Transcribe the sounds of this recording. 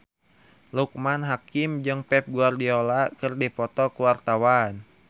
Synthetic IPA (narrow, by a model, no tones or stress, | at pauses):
luk̚manɦakimd͡ʒɨŋpɛp̚ɡuardiɔlakɨrdipɔt̪ɔkuwart̪awan